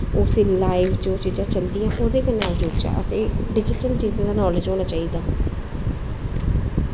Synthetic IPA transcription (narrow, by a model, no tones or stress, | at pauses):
ʊːsiːlaːiʋd͡ʒõːt͡ʃiːd͡ʒãːt͡ʃəld̪ijãːʔoːd̪eːkənaːld͡ʒoːɡt͡ʃa̰ːʔə̰seːɖɪd͡ʒɪʈəlt͡ʃiːzãːd̪aːnɔːled͡ʒɦoːnaːt͡ʃaːiːd̪aː